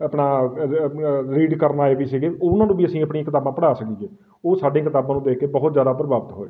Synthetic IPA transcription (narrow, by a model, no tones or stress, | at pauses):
əpɳaː | ɾiːɖkəɾnaːebiːsiːɡeːʊnãːnũːbiːəsĩːəpɳiãkɪt̪aːbãːpəɽaːsəkiːd͡ʒeː | oːsaːɖẽːkɪt̪aːbãːnũːd̪eːkʰːeːbəɦʊt̪zjaːd̪aːpɾəbaːbət̪ɦo̰ːeː